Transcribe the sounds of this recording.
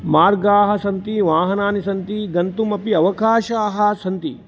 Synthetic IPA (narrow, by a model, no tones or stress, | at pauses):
maːɾɡaːɦɐ̆sɐnt̪iʋaːɦɐnaːnisɐnt̪iɡɐnt̪umɐpiɐʋɐkaːʃaːɦɐ̆sɐnt̪ḭ